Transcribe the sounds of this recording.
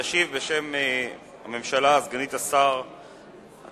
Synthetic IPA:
aʃivbe̞ʃe̞m | ame̞mʃalaːzɡanit̪asaʁ | a̰

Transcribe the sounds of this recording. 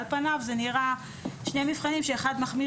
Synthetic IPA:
lpanavzeniʁa | ʃnemivχanimʃeːχad̪maχmi

